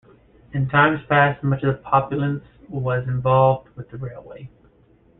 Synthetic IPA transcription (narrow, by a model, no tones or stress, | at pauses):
ɨ̃ntʰãɪ̃mz̥pʰæst̚mʌt͡ʃʌv̥pʰɑpjl̩ˠə̃ns | wʌzɨ̃ɱvɑlˠvd̚wɨðɨɹeɪlˠweɪ